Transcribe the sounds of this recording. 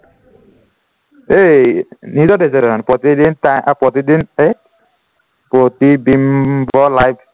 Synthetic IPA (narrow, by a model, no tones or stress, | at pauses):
enizɔdesɛɾɛanpɹot̪idintajʔapɹot̪idine | pot̪ibimbɔlajbʰ